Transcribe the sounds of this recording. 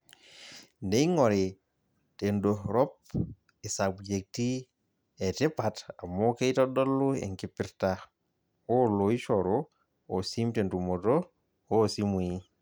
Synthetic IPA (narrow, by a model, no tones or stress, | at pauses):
neiŋɔɾe | tendoɾɔp̚ | esabd͡ʒek̚ti | ɛtepatamokeitɔdɔlːuḛŋkipiɾta | oloiʃɔɾo | osimtentumoto | osimui